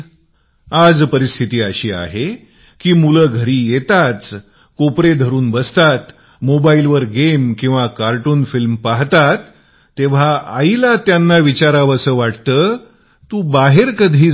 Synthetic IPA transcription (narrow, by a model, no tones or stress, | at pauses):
ad͡zpəɾist̪ʰit̪iːaɕiːa̰ɦe | kiːmuləːɡʱəɾiːjet̪at͡s | kopɾed̪ʱəɾuːnbəst̪at̪ | mobailʋəɾɡemkĩw̃ʋakaɾʈuːnfilmpaɦt̪at̪ː | eʋ̤aa̰ilat̪janːaʋit͡ɕaɾaʋəsəːʋaʈt̪ə | t̪ũbaɦeɾkəd̪ʱiː